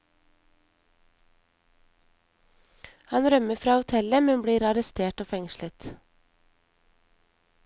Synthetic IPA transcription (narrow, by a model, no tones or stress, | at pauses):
hɑnɾœməfɾɑːʊt̪ʰɛləmɛnbɽiːɾɑɾəst̪ʰeːʈoːfɛŋʃlət̪